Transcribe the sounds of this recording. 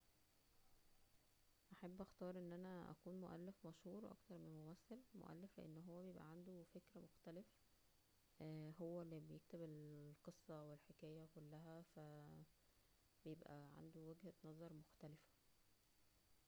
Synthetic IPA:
ʔæħabːʔæxt̪ɑːɾˤʔenːʔænæʔæ̰kuːnmoʔæ̰lːefmæʃhuːɾˤwʔɑ̰kt̪ɑɾˤmenmomæsːælmo̰ʔæ̰lːeflḛʔḛnːɦowːæbejebʔæ̰ʕand̪ofekɾæmoxt̪ælefæ | ɦowːælːibejek̚t̪ebelqesˤːɑwelħekæːjækolːæɦæfæ | bejebʔæ̰ʕa̰nd̪owæɡhænɑzˤɑɾˤmoxt̪ælefæ̥

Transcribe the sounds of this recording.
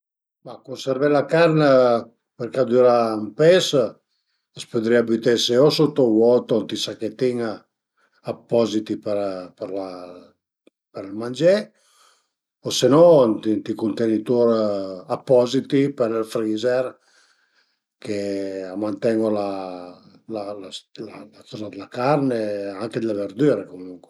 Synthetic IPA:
makunseɾvɛlakarnə | peɾkad̪uɾampes | asped̪ɾiabyt̪eseosut̪ːowɔt̪ont̪isaket̪iŋ | apːɔzit̪ipeɾpeɾla | peɾlmand͡ʒe | osenɔnt̪int̪ikunt̪enit̪uɾapːɔzit̪ipeɾilfɾiːzer | keamːant̪ɛŋɡola | lalalalakɔzad̪elakarneaŋked̪elaveɾd̪yːɾekomuŋkwe

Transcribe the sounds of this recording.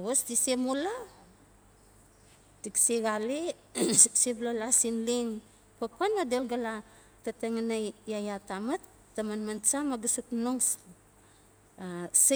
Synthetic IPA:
osdisemola | tiksiɡali | seblolasinliŋ | pakuanadelɡala | tateŋanajajatamatː | amanmant͡ʃamaɡasuknoŋs | as

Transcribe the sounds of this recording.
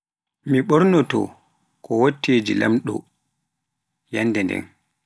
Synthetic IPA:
miɓɔɾnɔtɔ̰ | kɔwotːeːd͡ʒila̰mɗɔ̰ | janːdɛndɛ̰n

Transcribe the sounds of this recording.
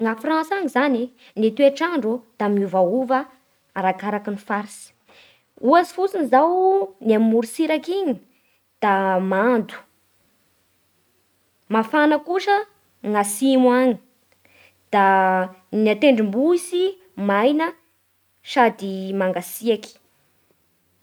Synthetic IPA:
ŋafrãnsaŋizani | net̪ueʈ͡ʂaɳɖ͡ʐud̪̥amiuvauvə | aɾakaɾakinifaɾisi̥ | uazifut͡sinizawnammuɾsiɾakiɲi | d̪̥amand̪u̥ | mafanəkuʃə | ŋasimwaɲi | d̪̥a | niat̪eɳɖ͡ʐimbuisi | majnə | sad̪imaŋɡasiaki̥

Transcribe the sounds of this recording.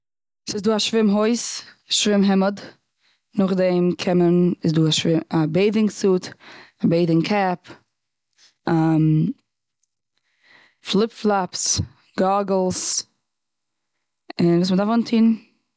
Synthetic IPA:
sɪsduːaʃvɪmɦoɪsaʃvɪmɦɛməd | nʊχdɛmkʰɛmənɪsduːaʃvɪabeɪdɪŋsuːtabeɪdɪŋkʰap | am | flˠɪpflˠaps | ɡ̥aɡl̩ˠs | ɪnvuːs̬mədafɔntʰiːn

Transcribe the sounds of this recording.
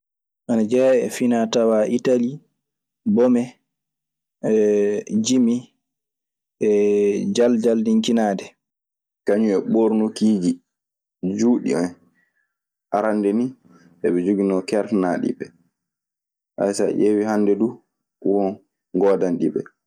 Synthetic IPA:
ʔanad͡ʒɛɛ̰finatawaʔitali | bɔmɛ | ɛd͡ʒimi | ʔɛd͡ʒald͡ʒaldiŋkinaːdɛ | kaɲuɛɓoɾnokiːd͡ʒi | d͡ʒuːɗḭɔn | ʔaɾandeni | ʔɛɓɛd͡ʒuɡinɔkɛɾtnaɗḭɓɛ | ʔa̰jsa̰ʔewihandɛdu | wɔn | ɡɔdanɗḭɓɛ̰

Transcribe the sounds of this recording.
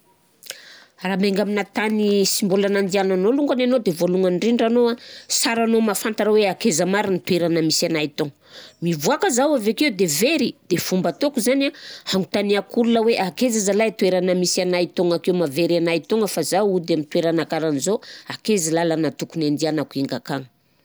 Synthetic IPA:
raːmeŋɡaminat̪anisimbulanand̪iananoluŋɡananod̪evoluŋanɖ͡ʐinɖ͡ʐanoasaɾanomafant̪aɾaweakezəmaɾinit̪ueɾanəmisanait̪oŋəmivuakəzawavekewd̪eveɾid̪̥efumbət̪okuzanahaŋɡut̪aniakululəweʔakezazalajt̪ueɾanəmisanait̪oŋakewmaveɾanait̪oŋəfazawud̪eamint̪ueɾanakaɾanizoakezilalanat̪ukunand̪ianakuiŋɡakaŋə

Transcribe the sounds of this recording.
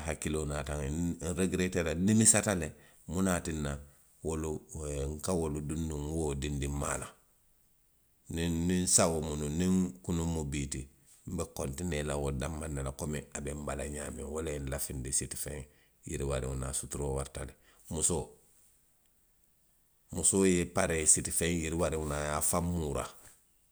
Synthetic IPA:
ɦakilonataŋnɾeɡɾetelaninisatale | munatinːa | woluŋkawoludunːuŋwodindima̰la | niːinsawomununiŋkunumubiti | m̩bekontinelawodamːanːelakomiabembalaɲaːmewolenlafindisiti̥fẽŋ | jḭɾiwaɾḭwunasutuɾowaɾtale | muso | musojepaɾesitifeŋjiɾiwaɾiwunajafamːuɾa̰

